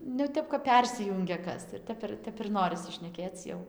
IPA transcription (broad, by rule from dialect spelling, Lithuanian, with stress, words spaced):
nʊ jɛʊ ˈtʲɛp kɐp ˈpʲɛrʲsʲɪjʊŋʲɡʲɛ ˈkɐs ɪr ˈtʲɛp ˈtʲɛp ɪr ˈnoːrʲɪsʲɪ ʃʲnʲɛˈkʲeːt͡s ˈjɛʊ